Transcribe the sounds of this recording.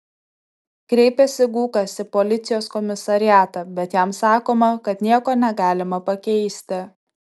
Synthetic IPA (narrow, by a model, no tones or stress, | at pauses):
kɾʲɛɪpʲɛsʲɪɡuːkɐsɪpɔlʲɪt̪sʲɪjoːskɔmʲɪsɐɾʲɪjæːt̪ɐbʲɛt̪jæmsɑːkoːmɐkɐt̪nʲiɛkoːnʲɛɡɑːlʲɪmɐpɐkʲɛɪsʲt̪ʲɪ